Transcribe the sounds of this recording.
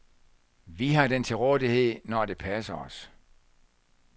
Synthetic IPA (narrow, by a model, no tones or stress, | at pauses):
ʋiɦɑ̈d̥ent͡sʰe̝lʁɔːðˠihe̝ð̰ˠnɒd̥e̝pʰæsɐɒ̽s